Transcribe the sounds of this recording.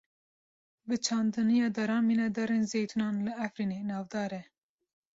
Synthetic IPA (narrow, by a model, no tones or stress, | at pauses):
bɨt͡ʃʰɑːnd̪ɨnijɑːd̪ɑɾɑːnminɑd̪ɑɾenzeːjt̪ʰunɑːnlɨæfɾiːneːnɑːvd̪ɑːɾɛ